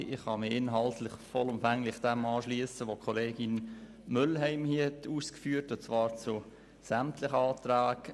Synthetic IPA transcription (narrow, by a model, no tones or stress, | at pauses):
ɪχhɑmɪɪnɦɑltlɪχfɔlʊmfæŋlɪχd̥ɛmɑːʃliəsəʋokʰoleːɡɪn | mʏlɦɛɪmhiɛtʰuːskfyːɾtʊnt͡svɑːɾt͡su | sæmtlɪχəɑːtɾæːɡ̥